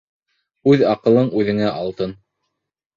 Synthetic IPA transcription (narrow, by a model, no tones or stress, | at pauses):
ʉðɑqɤ̆lˠɤɴʉðɘ̆ŋæʔɑlˠt̪ɤn